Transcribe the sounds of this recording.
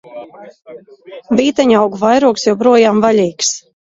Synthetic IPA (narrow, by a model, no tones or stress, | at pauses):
viːt̪aɲawɡuvajɾuɔksjawpɾuɔjaːmvalʲiːks